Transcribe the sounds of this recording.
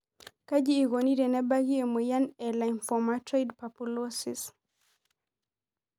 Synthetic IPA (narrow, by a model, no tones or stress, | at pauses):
kad͡ʒiːɣɔniɾɛnɛbaɣiɛmɛjanɛlajnfɔmatɾajdpapulɔsis